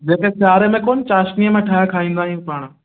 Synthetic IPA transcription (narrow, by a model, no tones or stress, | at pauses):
d͡ʑeːkesaːɾəmẽkoːnt͡ɕaːʃnijəmẽʈʰaːjakʰaːĩːn̆d̪aːɦijũːpaːɽ̃